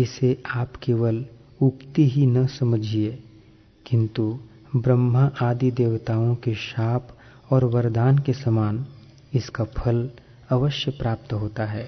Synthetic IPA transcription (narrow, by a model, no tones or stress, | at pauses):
ɪseʔaːpkeːʋəl | ʊpt̪iɦinɐsɐməd͡ʒʱieː | kɪ̃nt̪u | bɾəmːəʔaːd̪id̪eːʋt̪aːõkeʃaːp | ɔːɾʋɐɾd̪aːnkesɐmaːn | ɪskapʰɐl | ɐʋəʃjəpɾaːp̚t̪ɦoːt̪aɦɛː